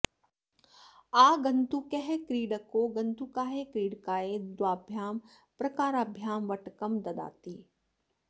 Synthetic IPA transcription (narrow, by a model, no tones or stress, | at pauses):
aːɡɐ̃nt̪ukɛɦekɾiːɖəkːoɡɐ̃nt̪ukaːɦekɾiːɽkaːed̪waːbʱjaːm | pɾɐkaːɾaːbʱjaːnʋɐʈkɐmd̪ɐd̪a̰ːt̪iː